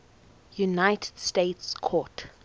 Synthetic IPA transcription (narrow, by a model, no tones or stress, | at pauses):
junaɪtʰɛ̥d̥stetskʰɔt